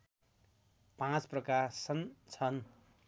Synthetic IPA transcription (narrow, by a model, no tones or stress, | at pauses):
pãt͡sprʌkasʌnt͡sʰʌn